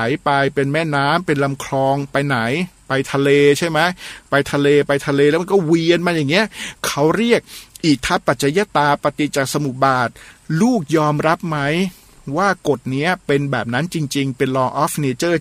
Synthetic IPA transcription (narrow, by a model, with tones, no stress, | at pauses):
jpa˧jpe˧nmɛː˥˩naː˦˥mpe˧nla˧mkʰɾɔː˧ŋpa˧jna˩˦jpa˧jt̪ʰa˧leː˧t͡ɕʰa˥˩jma˦˥jpa˧jt̪ʰa˧leː˧pa˧jt̪ʰa˧leː˧lɛː˦˥m˧nkɔː˥˩wi˧ənmaː˧jaː˨˩ŋːi˦˥ɐʔkʰa˦˥wɾi˥˩ək̚ʔiː˨˩k̚t̪ʰa˦˥˩pːa˨˩t̪̚t͡ɕʰa˧jaː˦˧˥t̪aː˧pa˧t̪i˨˩t͡ɕaː˨˩k̚sa˧mu˨˩baː˨˩t̪̚luː˥˩k̚jɔː˧mɾa˦˥p̚ma˦˥j | waː˥˩ko˨˩t̪̚ni˦˥ɐpe˧nbɛː˨˩p̚na˦˥nt͡ɕi˧ŋt͡ɕi˧ŋpe˧nlɔː˧ʔɔː˦˥fne˧t͡ɕɤː˥˩